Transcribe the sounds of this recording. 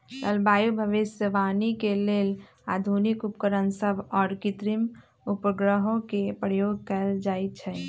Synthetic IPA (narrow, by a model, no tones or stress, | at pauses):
ləlbaːjubʱəʋɪsjəʋaːnikeleːl | aːd̪ʱunikupkəɾənsəbʱɔːɾkɪt̪ɾim | upəɡɾəɦõkepɾəjoːɡ̚kəld͡ʒaːit͡ʃʰɛ